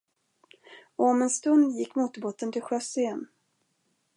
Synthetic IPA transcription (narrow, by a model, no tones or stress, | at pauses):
ɔɔmɛnst̪ɵnd̪jɪkːmuːt̪ɔboːt̪ənt̪ʰɪlɧœsɪɛn